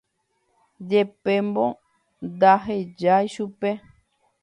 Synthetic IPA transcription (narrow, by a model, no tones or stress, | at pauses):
d͡ʒepẽmbõ | nd̪aɦed͡ʒajʃupe